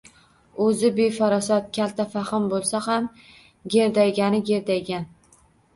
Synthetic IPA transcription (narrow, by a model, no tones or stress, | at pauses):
ɵzɪbe̞fɒɾɒsɒt̪̚kʲʰalt̪ʰafaχɪmbolˠsaham | ɡʲe̞ɾd̪ajɡʲanɪɡʲe̞ɾd̪ajɡʲan